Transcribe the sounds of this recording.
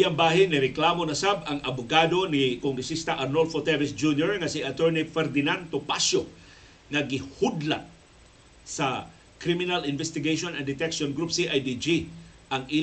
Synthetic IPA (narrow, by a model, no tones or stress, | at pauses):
jambaːɦɪnːɪɾɛklamonɐsabɐŋɐbʊɡaːd̪o̞nɪkoŋɡɾɛsist̪ɐʔɐɾnolfot̪ɛvɛsd͡ʒunjoɹŋɐsiʔɐt̪ɛɹnifɛɾd̪ɪnant̪opasjo | ŋɐɡɪhud̪la̰t̚ | sɐ | kɾimɪnalɪnvɛst̪ɪɡejʃonɐnd̪ɪt̪ɛkʃonɡɾupsiʔajd̪id͡ʒi | ʔɐŋʔi